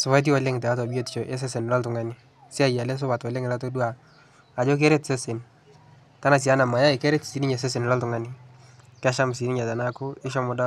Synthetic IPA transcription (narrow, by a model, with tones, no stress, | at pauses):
sʊ˨ba˦t̬i˦wɔ˨le˦ŋtɛ˨a˦ta˨bi˦o˦tt͡ʃo˨ʔe˦s̬e˦se˨n˨lɔ˦ltʊ˨ŋa˦nɪ˦ | si˦a˦˨ja˨le˦s̬ʊ˦ba˨twɔ˨le˦ŋla˦to˦du˦a˨ | a˨d͡ʒo˦k̬e˦ɾe˦tse˦se˨n | ta˦na˨s̬i˨a˦na˨ma˨ja˦ɪ˨ke˦ɾe˦tsi˨nɪ˦ɲe˨se˦s̬e˨n˨lɔ˦ltʊ˨ŋa˦ni | kɛ˦ʃa˦m˨si˨ni˦ɲa˨ta˨na˦kʊ˦ɪ˦ʃɔ˦mʊ˨da˦